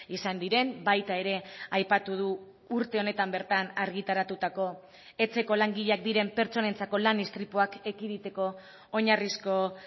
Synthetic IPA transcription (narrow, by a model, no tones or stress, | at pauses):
isand̪iɾe̞mbajt̪ae̞ɾe̞ajpat̪uð̞uː | ɾt̪e̞o̞ne̞t̪ambe̞ɾt̪anaɾɣit̪aɾat̪ut̪ako̞ | e̞t͡se̞ko̞laŋɡiʎeak̚d̪iɾe̞mpe̞ɾt͡so̞ne̞nt͡sako̞lanist̪ɾipuakekiðit̪e̞ko̞ː | ɲarisko̞